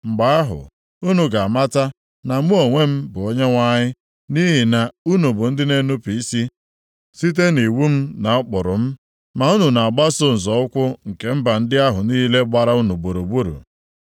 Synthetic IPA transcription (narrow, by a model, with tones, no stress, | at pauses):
ŋ͡m̩˨ɡ͡ba˦a˦ɦʊ̰˨ | u˦nu˨ɡa˨a˨ma˦ta˦ | na˨m̩˦o˨ŋʷe˦m̩˦bʊ˨o˦ɲe˦ŋʷa˦ɲɪ˦ | ni˦ɦi˨na˨u˦nu˨bʊ˨n̩˦dɪ˦ne˦nu˦pi˨i˦si˦ | si˦t̬e˦ni˨wu˦m̩˦na˨ʊ˦k͡pʊ˨ɾʊ˨m̩˦ | ma˨u˦nu˨na˨a˨ɡ͡ba˦sʊ˦n̩˨zɔ˨ʊ˦kʷʊ˦ŋ̩˨ke˨m̩˦ba˨n̩˦dɪ˦a˦ɦʊ˨niː˦le˦ɡ͡ba˨ɾa˦u˦nu˨bo˨ɾo˨bu˦ɾṵ˨